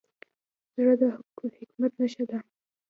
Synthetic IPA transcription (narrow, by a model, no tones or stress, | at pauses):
zɾad̪aɦʊkmhɪkmat̪naʃad̪a